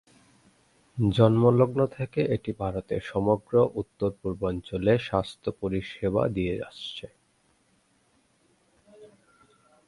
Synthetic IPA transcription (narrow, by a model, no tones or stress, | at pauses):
d͡ʑɔnmoloɡnot̪ʰekeʔeʈibʱaɾot̪eɾʃɔmoɡɾoʔut̪ːoɾpuɾbɔnt͡ɕoleʃast̪ʰopoɾiʃeba̰d̪iea̰ʃt͡ɕʰe